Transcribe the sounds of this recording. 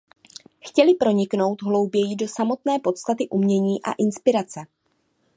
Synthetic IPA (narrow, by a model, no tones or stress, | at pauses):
xcɛlɪpɾo̞ɲɪkno̞wt̪ɦlo̞wbjɛjɪdo̞samo̞t̪nɛːpo̞t̪st̪at̪ɪʔumɲɛɲiːʔa̰ʔɪnspɪɾat͡sɛ